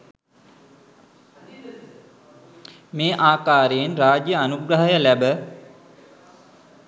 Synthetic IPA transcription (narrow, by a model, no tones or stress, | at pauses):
meːʔaːkaːɾejenɾaːd͡ʒjəanuɡɾəɦəjəlæbə